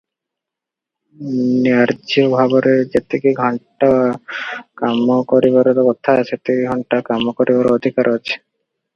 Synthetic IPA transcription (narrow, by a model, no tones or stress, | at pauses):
niaɾd͡ʒiobʱabɔɾed͡ʒet̪ekiɡʱɔɳʈaakamokɔɾibaɾɔɾokɔt̪ʰaat͡ʃʰet̪eiɡʱɔɳʈakamokɔɾibaɾoɔd̪ʱikaɾat͡ʃʰe̥